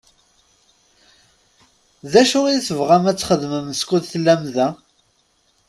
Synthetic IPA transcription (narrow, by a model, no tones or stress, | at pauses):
ðæʃʊʁiiθəvʁæmæt͡sːχəðməmskuðθlːæmðæ